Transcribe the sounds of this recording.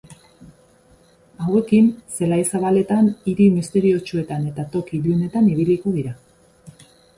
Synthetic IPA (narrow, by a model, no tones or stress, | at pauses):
awe̞kinse̞lajsaβale̞t̪aniɾimist̪e̞ɾio̞t͡ʃue̞t̪ane̞t̪at̪o̞kiβiune̞t̪aniβ̞ilikoðiɾa